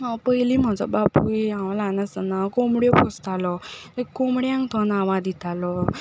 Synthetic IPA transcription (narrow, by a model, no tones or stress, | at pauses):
pəjlim̤ad͡zɔ̰bapuiãwlanəsənakɔmɽjɔpʰɔst̪alɔekːɔmɽjãŋkt̪ʰɔnaʋãd̪it̪ʰalɔ